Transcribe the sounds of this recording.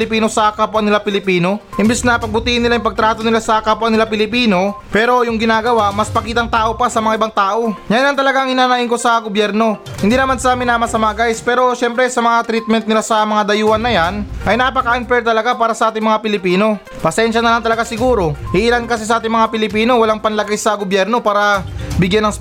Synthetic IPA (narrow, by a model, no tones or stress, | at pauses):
lɪpiːno̞sɐkapoʔɐnɪlapɪlɪpiːno̞hɪmbɛsnɐpɐɡ̚bʊt̪iːhɪnːɪlajɪŋpɐɡ̚t̪ɾaːt̪o̞nɪlasɐkapoʔɐŋnɪlapɪlɪpiːno̞pɛːɾo̞jʊŋɡɪnaːɡɐwaʔmɐspɐkiːt̪ɐŋt̪aːʔo̞pasɐmɐŋaʔɪbaŋt̪aːʔo̞ɲajnlant̪ɐlɐɡaŋɪnaːnɐʔɪŋko̞sɐɡobjɛɾno̞ | hɪnd̪iːnɐmansaːmɪnamɐsɐmaʔɡajspɛːɾo̞ʃɛmpɾɛsɐmɐŋat̪ɾit̪̚mɛnt̪̚nɪlasɐmɐŋad̪ɐjuːɐnːɐjanʔɐjnɐpɐkaʔɪnpɛɹt̪ɐlɐɡapaːɾɐsɐʔaːt̪ɪŋmɐŋapɪlɪpiːno̞ | pɐsɛnʃɐnɐlaŋt̪ɐlɐɡasɪɡuːɾo̞hɪʔɪlankɐsɪs̬ɐʔaːt̪ɪŋmɐŋapɪlɪpiːno̞wɐlaŋpɐnlɐɡajsɐɡobjɛɾno̞paːɾɐbɪɡjanɐŋ